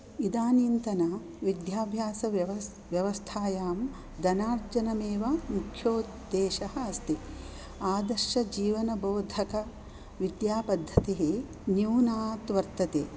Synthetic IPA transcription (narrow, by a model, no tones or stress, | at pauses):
id̪aːniːnt̪ɐna | ʋid̪jaːbʱjaːsɐ | ʋjɐʋɐst̪ʰaːjaːm | d̪ɐnaːɾd͡ʒɐnɐmeːʋɐmukʰːjoː | d̪eːʃɐhɐ̆ɐst̪i | aːd̪ɐɾʃɐd͡ʒiːʋɐnɐboːd̪ʱɐkɐ | ʋid̪jaːpɐd̪ʱːɐt̪eɦe | njuːnaːt̪ʋɐɾt̪ɐt̪eː